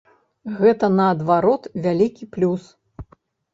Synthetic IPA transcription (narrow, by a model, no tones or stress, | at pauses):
ɣɛt̪ɐnɐːd̪vaɾɔt̪vʲalʲikʲiplʲus